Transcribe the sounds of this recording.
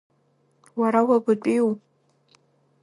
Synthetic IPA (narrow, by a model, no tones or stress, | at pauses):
waɾawaɡʷʊtʷʼiw